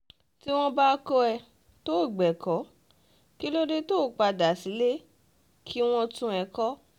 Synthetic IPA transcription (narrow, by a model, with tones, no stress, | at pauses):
ti˦w̃ɔ̃˦ba˦kɔ˦ɛ˧ | to˦˨ɡ͡bɛ˨kʰɔ˨˦ | ki˦lo˦ɾi˦toː˦˨k͡pa˧da˨si˨˦le˦ | kʰi˦w̃ɔ̃˧tũ˧˦ɛ˧kɔ˦